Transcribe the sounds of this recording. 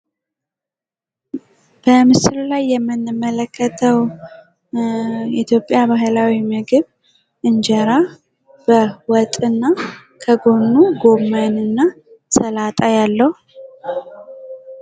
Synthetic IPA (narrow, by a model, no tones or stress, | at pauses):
b̥əmɨsɨlulajːɛmːɨnːɨmələkʰːət̪ʰəw | it̪ʰjo̞pʼːjabaɦɨlawimɨɡɨβ | ʔɨnd͡ʒəɾa | b̥əwɔt̪ʼɨnːa | kʰəɡo̞nːuɡo̞manɨnːa | səlat̪ʼajalːəhu